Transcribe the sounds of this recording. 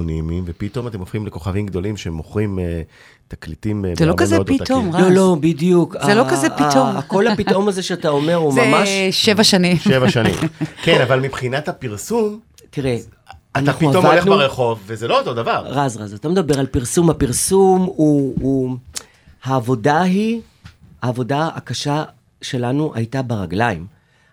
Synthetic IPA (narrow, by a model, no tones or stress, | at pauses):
onimimvepit̪o̞mat̪e̞mofχimleko̞χavimɡd̪o̞limʃeemoχʁime | t̪aklitimzelokazeod̪it̪omʁlolobidjukzaelokazeiomko̞lhapit̪ʔomaze̞ʃeat̪ao̞me̞ʁuzmmaʃʃevaʃanĩmʃevaʃanḭmkenavalmibχinathapiʁsum | tiʁe | anaχiuaomvoldeχnuaʁeχo̞vːezelo̞ot̪o̞d̪avaʁʁazʁazat̪ame̞d̪abe̞ʁalpiʁsumhapiʁsumuː | haːvo̞daɦi | aːvo̞daakaʃa | ʃe̞lanuʔa̰jtabeʁaɡlaim